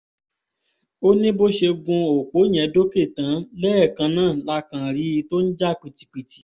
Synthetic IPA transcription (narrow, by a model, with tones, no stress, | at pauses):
o˦nĩ˦bo˦ʃe˧ɡũ˧o˨k͡po˨˦j̃ɛ̃˧do˦ke˦˨tã˨˦lɛ˦ɛ˦˨kã˧nãː˦˨la˧˦kã˨ɾi˨˦i˧to˦n̩˦d͡ʒa˦k͡pi˨ti̥˧˨k͡pi˨ti̥˨˦